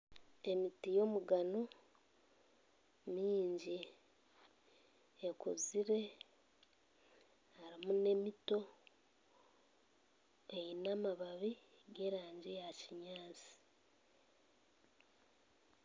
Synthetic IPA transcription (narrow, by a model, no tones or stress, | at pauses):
e̞mitijo̞muɡano | miːɲɟi | ekuziɾe̞ | haɾimune̞mito̞ | ejinamaβaβiɡe̞ːɾaːɲɟijaciɲaːt͡si̥